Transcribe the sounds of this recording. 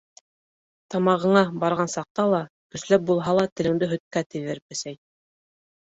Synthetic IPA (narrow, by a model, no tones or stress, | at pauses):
t̪ɑmɑʁɤ̆ɴɑbɑɾʁɑnsɑq̚t̪ɑlˠɑ | kɵ̆slæp̚bulˠɦɑlˠɑt̪ɘ̆lɘ̆ŋd̪ɘɦɵ̆t̪̚kæt̪ɘ̆ðɘɾpɘ̆sæj